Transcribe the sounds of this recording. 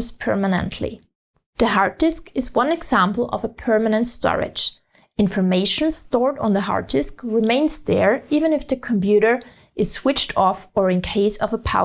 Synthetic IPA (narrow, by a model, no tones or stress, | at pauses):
zpʰɜ̰˞mənə̰̃ntʰlḭ | ðɨɦɑɹt̚d̥ɪskɨzwʌ̃nɨɡz̥æ̃mpl̩ˠʌ̰vəpʰɜ˞mənɨ̃ntstɔ̰ɹɪ̰d̥d͡ʒ | ɪ̃nfə˞meɪʃn̩stɔɹɾ̃n̩ðəɦɑ̰ɹt̚d̥ɪskɹɪmẽɪ̃nzðə˞ivɨ̃nɨfðɨkʰə̃mpjʉɾə˞ | ʔɨz̥swɪt͡ʃtʰɔfə˞ɨ̃nkʰeɪsʌvəpʰa